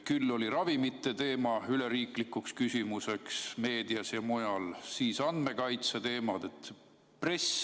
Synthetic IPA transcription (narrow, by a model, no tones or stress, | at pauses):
kylːo̞liɾɑvimit̪ˑːe̞t̪e̞ːmɑyleɾiːklikːukskysʲimuse̞ksme̞ːd̪iɑsjɑmojɑlsiːsɑnd̪̥me̞kɑjt̪set̪e̞ːmɑd̪̥e̞t̪ː | pre̞s